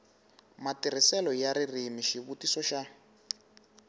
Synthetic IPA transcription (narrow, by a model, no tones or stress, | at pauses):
matir̤isɛlɔjaɾirimiʃiβutisɔʃa